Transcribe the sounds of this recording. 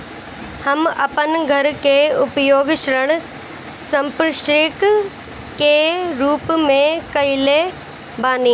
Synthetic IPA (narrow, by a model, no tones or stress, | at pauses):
hɐmɐpənɡʱɐɾkʰeːʊpjoːɡʃɾəɽ̃ | sɐ̃mpɾɪʃɾɪk | keːɾuːpmẽkɐile | baːnĩː